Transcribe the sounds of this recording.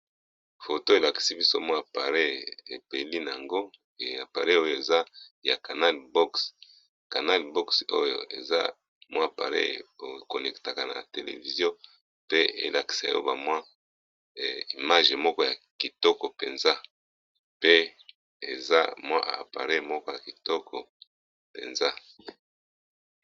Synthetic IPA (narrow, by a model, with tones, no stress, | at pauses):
fo˨to˦e˨la˨ki̥˨si˦bi˦so˦mwa˦˨pa˨ʁe˦e˨pe˨li˦na˨a˨ŋɡo˦ | e˨a˨pa˨ʁe˦o˦jo˨e˨za˦ja˨ka˨na˦lbɔ˦ks | ka˨na˦lbɔ˦kso̰˦jo̰˨ḛ˨za̰˦ | mwa˦˨pa̰˨ʁḛ˦o˨ko˨nɛ˨kta˨ka˨na̰˨te˨lḛ˨vi˨zjɔ˦ | pe˦ḛ˦la˨ki̥˨sa̰˨jo̰˦ba˨mwa˦˨ | i˨ma˦ʒe˨mɔ˦kɔ˦ja˨ki˨tɔ˦kɔ˨pe˨nza˦ | pe˦ | e˨za̰˦mwa̰˦ʔpa̰˨ʁe˦mɔ˦kɔ˦ja˨ki˨tɔ˦kʰɔ˨ | pḛ˨nza˦